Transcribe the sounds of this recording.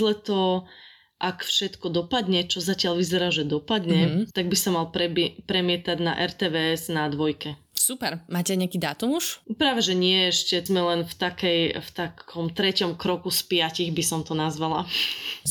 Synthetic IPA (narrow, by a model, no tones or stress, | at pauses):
zlɛt̪ɔ | ʔakfʃɛt̪kɔd̪ɔpad̪ɲɛt͡ʃɔzacɪalʋizɛɾaːʒɛd̪ɔpad̪ɲɛt̪aɡbisamalpɾɛbpɾɛmɪɛt̪aɟna̰ʔɛɾt̪ɛʋɛɛznad̪ʋɔjkɛ | supɛɾmaːcɛaɲɪakiːd̪a̰ːt̪umuʃpɾaːʋɛʒɛɲɪɛɛʃcɛzmɛlɛnft̪akɛjft̪akʰɔmt̪ɾɛcɔmkɾɔkuspɪaciɣbisɔmt̪ɔnazʋala